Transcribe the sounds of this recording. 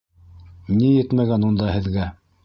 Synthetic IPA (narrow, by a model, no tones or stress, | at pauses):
nijɘt̪mæɡænund̪ɑhɘ̆ðɡæ